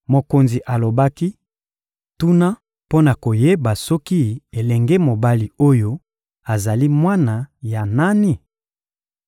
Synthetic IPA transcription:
mo˨ko˨nzi˨ʔa˨lo˨ba˦ki˦ | tu˦na˦ | po˦na˨ko˨je˦ba˨sɔ˦ki˦e˨lɛ˨ŋɡɛ˦mo˨ba˦li˨o˦jo˦ | a˨za˨li˦mwa˦na˨ja˨na˦ni˦

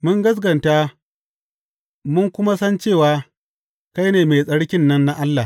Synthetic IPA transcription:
mʊ˦ŋɡɐ˦s̬ɡɐ˨ntaː˦ | mʊ˦ŋkʷʊ˦ma˦sɐ˦nt͡ʃeː˦˨waː˨ | ka˦jneː˨me˨sʼɐ˦ɽkʲɪ˦nːɐ˦nːa˦ʔa˦lːa˨

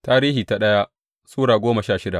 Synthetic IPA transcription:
taː˦ɾiː˦hiː˨ta˨ɗɐ˦ja˦ | suː˦ɽaː˨ɡʷoː˦mɐ˨ʃaː˦˨ʃɪ˦da˨

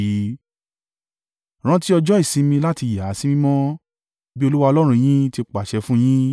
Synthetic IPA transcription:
ɾ̃ã˦ti˦ɔ˧d͡ʒɔ˦i˦˨sĩ˧˦mĩ˧la˦ti˧ja˨˦si˦mĩ˦mɔ̃˦ | bi˦o˧lu˦wa˧ɔ˧lɔ˦ɾ̃ũ˧j̃ĩ˦ti˧k͡pa˨ʃɛ˧fũ˦j̃ĩ˦

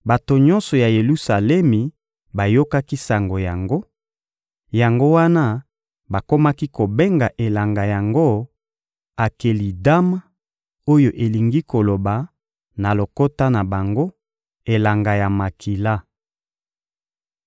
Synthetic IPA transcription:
ba˨to˨ɲɔ̃˦nsɔ˨ja˨je˨lu˦sa˨lɛ˦mi˨ | ba˨jo˦ka˦ki˦sa˨ŋɡo˨ja˨ŋɡo˦ | ja˨ŋɡo˦wa˦na˦ | ba˨ko˦ma˦ki˦ko˨be˦ŋɡa˨ʔe˨la˨ŋɡa˨ja˨ŋɡo˦ | a˨ke˨li˨da˦ma˦ | o˦jo˨ʔe˨li˨ŋɡi˦ko˨lo˨ba˨ | na˨lo˨ko˦ta˦na˨ba˨ŋɡo˦ | e˨la˨ŋɡa˨ja˨ma˨kʰi˨la˦

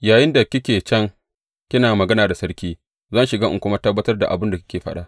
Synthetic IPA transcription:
jaː˨jɪ˦nda˨kʲɪ˦kʲeː˨t͡ʃɐ˦ŋ | kʲɪ˦naː˨mɐ˨ɡɐ˦naː˨da˨sɐ˦rkʲiː˦ | zɐ˦˨nʃɪ˨ɡaː˦ʔkʷʊ˦ma˦tɐ˦bːɐ˦tɐ˦rda̰˨ʔa˨bʊ˦nda˨kʲɪ̥˦kʲeː˨ɸɐ˦ɗa˦

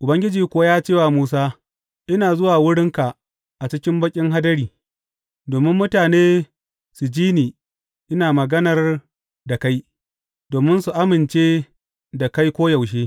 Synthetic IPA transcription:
ʔʊ˨bɐ˦ŋɡʲɪ˦d͡ʒiː˨kʷʊ˨˦wa˦jaː˦t͡ʃeː˦˨waː˨muː˦s̬aː˦ | ʔɪ˦naː˨zʊ˦waː˨wʊ˦ɽɪ˦ŋka˨ | ʔa˨t͡ʃɪ˦kʲɪ˦mbɐ˦kʲʼɪ˦ŋɦa˦dɐ˦ɽiː˨ | doː˨mɪ˦mːʊ˦taː˨neː˦ | su˨d͡ʒiː˦niː˨ | ʔɪ˦naː˨mɐ˨ɡɐ˦nɐ˨r | da˨ka˦j | doː˨mɪ˦nsu˨ʔa˦mɪ˨nt͡ʃeː˦ | da˨ka˦jkʷoː˦ja˨wʃ̬eː˦

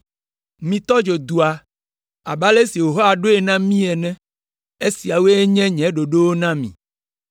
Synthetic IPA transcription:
mĩ˨t̪ɔ˦d͡ʒo˨d̪u˨a˨ | a˨ba˦le˦si˨wo˨ɦɔ˦a˨ɖo˦e˨nã˦mĩ˦ɛ˨nɛ̃˦ | e˦si˨a˨we˦e˦ɲɛ̃˦ɲɛ̃˨˦ɖo˨ɖo˦wo˦nã˦mḭ̃˨

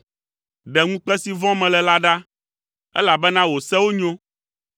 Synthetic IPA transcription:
ɖɛ˨ŋũ˦k͡pɛ˦si˦vɔ̃˦mɛ̃˨lɛ˨la˦ɖa˦ | ɛ̰˦la˨bɛ˦nã˦wo˨sɛ˦wo˦ɲõ˦

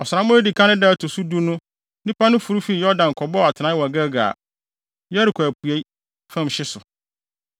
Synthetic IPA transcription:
ɔ˨sʊ˨ɾã˨˦mʊ̃˦e˦di˨kʰã˦nʊ̃˦dɛ˦˨tʰo˨su˦du˦nʊ̃˦ | nĩ˦pʰa˦nʊ̃˦fu˨ɾu˦fi˦i˨jɔ˦dã˨ŋ̩˨kʰɔ˨bɔ˦˨a˨tʰɪ˨nã˦wɔ˨ɡa˦ɡa̰ː˨ | jɔ˦æ˦ɾɪ˨kʰɔ˨æ˨pʰu˨e˦i˦ | fã˦m˨ɕɪ˦sʊ˨

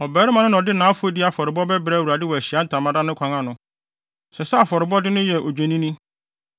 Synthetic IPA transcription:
ɔ˨bɛː˨˦ɾɪ˦mã˨nʊ̃˦ñ˨ɔ˨dɪ˦nãː˨˦fʊ˦e˦dɪ˦a˨fɔ˨ɾɪ˨bɔ˦bɛ˦bɾɛ˦˨wu˨ɾa˨dɪ˦wɔ˨æ˨ɕi˨a˦n̩˨tʰã˨mã˦da˦nʊ̃˦kʷʰã˨ŋã˨nʊ̃˨ | sɛ˨sɛ˦a˨fɔ˨ɾɪ˨bɔ˦dɪ˦nʊ̃˦jɛ˨ʔo˨d͡ʑᶣe˨nĩ˦nĩ˦

